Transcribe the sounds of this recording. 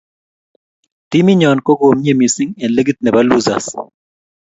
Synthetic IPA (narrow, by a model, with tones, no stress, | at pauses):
t̪i˦mi˦ɲɔ˨nko˦ɡo˨mɲe˨mi˨si˦ŋɛ˨nle˦ɡi˦t̪̚nɛ˨ba˦lu˦za̰˨s